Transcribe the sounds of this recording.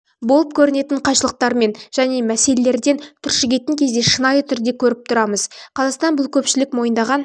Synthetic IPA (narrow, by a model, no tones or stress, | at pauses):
bo̞lˠəp̚kʲʰɵɾɪne̞t̪ɪɴqʰɑʃəlˠəq̚t̪ɑɾme̞nʒ̥æne̞mæse̞le̞le̞ɾd̪e̞nt̪ʰʏɾʃɪɡʲe̞t̪ɪŋkʲʰe̞zd̪e̞ʃənɑjət̪ʰʏɾd̪e̞kʲʰɵɾɪp̚t̪ʰʊɾɑməzqʰɑzɑqst̪ɑnbʊlˠkʲʰɵpʃɪlɪkmo̞jənd̪ɑʁɑn